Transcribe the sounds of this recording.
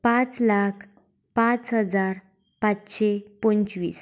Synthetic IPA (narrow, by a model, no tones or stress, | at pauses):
pãt͡slakʰ | pãt͡sɦəd͡zaɾ | pat͡sɕepont͡ɕʋḭːs